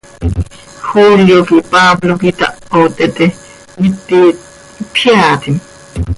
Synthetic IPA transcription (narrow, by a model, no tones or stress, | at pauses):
xuljokipablokit̪a̰ʔpot̪et̪e | mit̪ːi | pʰjaːt̪im